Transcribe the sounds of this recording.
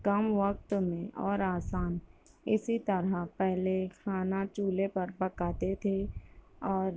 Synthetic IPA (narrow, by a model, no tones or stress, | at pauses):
kɐmʋək̚t̪mẽʔɔːɾaːsaːn | ɪsit̪ɐɾapɛɦlekʰaːnat͡ʃuːlepɐɾbɐkaːt̪et̪ʰe | ɔːɾ